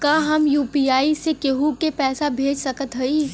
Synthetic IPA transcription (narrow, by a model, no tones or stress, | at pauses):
kaɦɐmjuːpiːaːisekeɦukepɛːsabʱeːd͡ʒsɐkət̪ɦɐi